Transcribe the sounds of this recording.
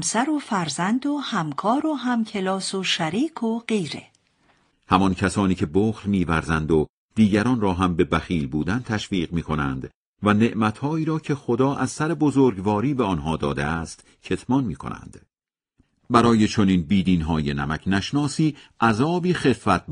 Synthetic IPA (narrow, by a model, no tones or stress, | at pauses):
msæɾofæɾzænd̪ohæmkʰɒːɾoɦæmcʰe̞lɒːsoʃæɾiːkʰoɢejɾḛ | hæmɒncʰæsɒːniːcʰe̞boːxɾmiːvæɾzænd̪o̞ | d̪̥iːɟæɾɒːnrɒːɦæmbe̞bæxiːlbuːd̪ænt̪ʰæʃviːʁmiːkʰo̞næ̰nd̪ | væne̞ʔmæt̪hɒːiːɾɒːcʰe̞xod̪ɒːʔæz̥sæɾe̞bozoːɾɡvɒːɾiːbeɒnɦɒːd̪ɒ̰ːd̪e̞̰æst̪ | cʰe̞t̪ʰmɒːnmiːkʰo̞̰næ̰nd̪̥ | bæɾɒːje̞t͡ʃʰo̞niːnbiːd̪iːnɦɒːje̞næmæcʰnæʃnɒːsiːʔæzɒːbiːxe̞fːæt̪̚